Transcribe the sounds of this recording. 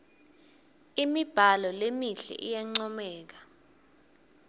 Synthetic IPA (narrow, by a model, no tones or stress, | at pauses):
imib̥ʱalɔlemiɬɛ̰ʔijaŋ͡ǀɔmɛːk̬ḁ